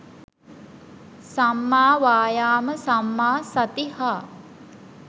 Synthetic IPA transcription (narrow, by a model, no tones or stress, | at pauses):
samːaːʋaːjaːməsamːaːsɐt̪ihaː